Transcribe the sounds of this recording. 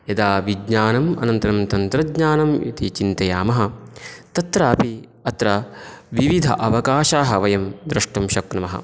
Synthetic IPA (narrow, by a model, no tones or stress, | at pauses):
jɐd̪aːʋiɡɲaːnɐmɐ̰nɐnt̪ɐɾɐmt̪ɐnt̪ɾɐdɲaːnɐmjɐ̰t̪it͡ʃint̪ɐjaːmɐɦɐt̪ɐt̪ɾaːpi | ɐt̪ɾɐʋiʋid̪ʱɐ̰ʔɐʋɐkaːʃaːɦɐʋɐjɐmd̪ɾɐʂʈɐmʃɐknɐmɐɦɐ̰